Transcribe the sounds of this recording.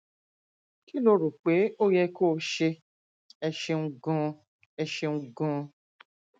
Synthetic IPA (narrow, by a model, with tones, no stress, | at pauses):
ki˦lo˦ɾu˨k͡pe˨˦o˦jɛ˧koː˦˨ʃe˧ | ɛ˧ʃe˧ŋ̩˧ɡɔ̃˦˧ | ɛ˧ʃe˧ŋũ˧ɡɔ̃˧